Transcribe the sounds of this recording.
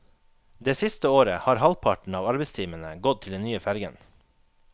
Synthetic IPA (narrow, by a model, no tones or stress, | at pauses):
d̪eːsɪst̪əoːɾəhɑːɾhɑlpʰɑʈɳ̩ɑːʋɑɾbest̪ʰiːmənəɡɔt̪̚t̪ʰɪld̪ɛnnyːəfæɾɡə̰n